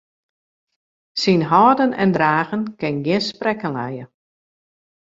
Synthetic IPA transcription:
sinɦɔːdənɛ̰ndraːɣənkɪnɡjɪənsprɛkənlɛjə

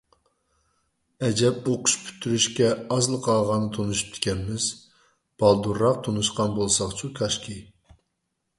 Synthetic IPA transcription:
ɛd͡ʒɛp̚oqʰʊ̥ʃpʰy̥t̪ʰːyɾyʃkʲɛɑzlˠəqʰɑlˠʁɑnɨt̪ʰonuʃy̥p̚t̪ʰɪ̥kʲʰɛnmɪz | b̥ɑlˠd̪uɾːɑq̚t̪ʰonuʃqɑnbolˠsɑχt͡ʃʰukʲʰɑʃkʲi

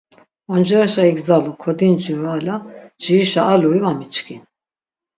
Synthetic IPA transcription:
and͡ʒɛɾaʃaiɡzalɔkʰɔd̪ind͡ʒiɾalad͡ʒiiʃaːluivamit͡ʃkʰin

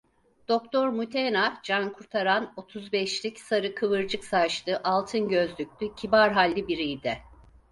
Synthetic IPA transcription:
d̪̥ok̚t̪ʰo̞ɾmut̪ʰenad͡ʒankʰuɾt̪ʰaɾano̞t̪ʰuzbɛʃlʲicsaɾɯkʰɯβɯɾd͡ʒɯksaʃt̪ɯʔalˠt̪ʰɯnɟø̞zlʲyc̚ʲlʲycʰibaɾɦalʲːibiɾijd̪ɛ

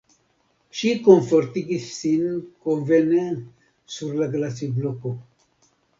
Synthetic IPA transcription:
ʃikoɱfoɾt̪iɡisːinkoɱvene | suɾlaɡlasibloko

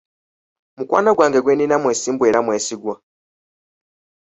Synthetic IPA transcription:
mukwa̰ːnaɡwaːŋɡeɡweninamweːsiːmbweːɾamweːsiɡwa

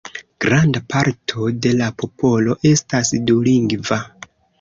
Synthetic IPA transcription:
ɡ̥ɾandapʰaɾtʰo̞de̞lapo̞po̞lo̞ʔe̞stasduliŋɡva

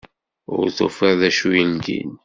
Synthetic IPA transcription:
ʊ̰ɾθo̰fəðæʃujəlɡḭn

